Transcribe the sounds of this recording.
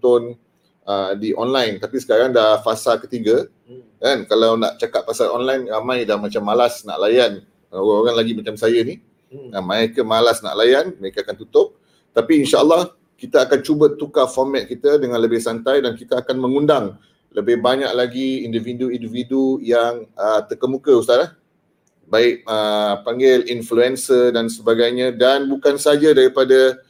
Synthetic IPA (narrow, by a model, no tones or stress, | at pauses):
t̪ʊn | ədiʔɔnlajnt̪apisə̥kaɾaŋdafasalkət̪iɡa | kankalawna̰ʔt͡ʃakat̪̚fasalʔɔ̰nlajnɾamãjdamat͡ʃamːalasna̰ʔlajan | əoaoɾaŋlaɡimãt͡ʃamsajani | əmaekəmalasna̰ʔlajanməekaakant̪ut̪ʊp̚ | t̪apiːnʃaəlːɑh | kit̪aakant͡ʃubət̪ukafɔrmɛt̪̚kit̪ədəŋãnləbɪhsant̪ajdankit̪əakanmə̃ŋundaŋ | ləbɪhbaɲa̰ʔ̚laɡiːndividuindividujaŋət̪ərkəmukəust̪alah | baɪk̚əpaŋɡɪlinfluɛnsədansəbaɡajɲãdanbukansad͡ʒadaɾipada